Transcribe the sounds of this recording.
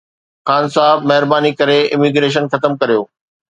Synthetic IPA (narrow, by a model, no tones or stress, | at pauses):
xaːnsaːɦɪbmɐɦɪɾbaːnikɐɾeɪ̰miɡɾeːʃ̬ənxɐt̪əmkɐɾijoː